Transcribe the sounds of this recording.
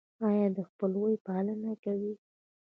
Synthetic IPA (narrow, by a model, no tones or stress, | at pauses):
ɑjɑd̪əxpəlwojpɑlənakawi